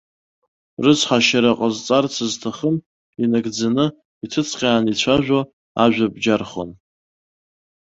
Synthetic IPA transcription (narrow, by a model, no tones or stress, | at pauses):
rɨt͡sʷʰħaʃaɾaqʼəzt͡sʼart͡sʰɨztʰaχəm | inaɡd͡zanɨ | itʰɨt͡sʰʼqʲʼaːnit͡ɕʷʰaʒʷᶣo | aʒᶣʷabd͡ʒarχo̰n